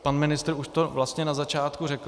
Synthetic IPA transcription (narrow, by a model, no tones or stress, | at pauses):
panmɪnɪst̪ɾuʃt̪ovlast̪ɲɛnazat͡ʃaːt̪kurɛk